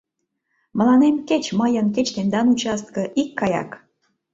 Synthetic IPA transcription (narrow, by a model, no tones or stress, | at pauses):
mə̆lɑnemket͡ɕməjənk̬et͡ɕt̪end̪ɑnut͡ɕɑst̪̚kəʔikːɑjɑ̰k